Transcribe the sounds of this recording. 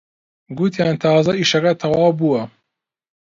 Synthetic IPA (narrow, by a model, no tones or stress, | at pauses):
ɡut̪ʰjaːnt̪ʰɑːzɐiːʃɐkɐt̪ʰɐwɑːwbuwɐ